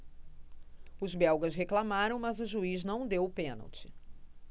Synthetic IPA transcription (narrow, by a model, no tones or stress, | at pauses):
ʊzbɛwɡɐsɦeklamaɾɐ̃w̃mɐzʊʒuiznɐ̃w̃d̪ewʊpẽnɐ̰wt͡ʃɪ̥